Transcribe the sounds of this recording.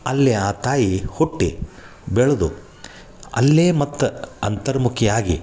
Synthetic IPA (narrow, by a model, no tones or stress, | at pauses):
ɐlːeaːt̪aːjihuʈːi | bɛɭɐd̪u | ɐ̰lːeːmɐt̪ːɐɐnt̪ɐɾɐmukʰijaːɡi